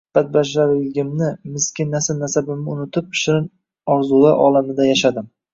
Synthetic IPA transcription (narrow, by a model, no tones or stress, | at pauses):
b̥at̪̚baʃaɾjɪɡʲɪmnɪmɪskʲɪnasɪnasabɪmnɪʊnɪt̪ʰɪp̚ɪ̥ʃɪɾɪn | ɒɾzulˠaʔɒ̰lˠamɪd̪ajaʃad̪ɪm